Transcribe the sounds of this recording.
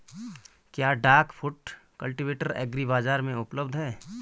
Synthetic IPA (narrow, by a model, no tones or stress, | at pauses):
kjaːɖaːɾkpʰʊʈkɐlʈiʋeːʈəɾɛ̰ːɡɾibaːzaːɾmẽʊpləbd̪ʱɦɛː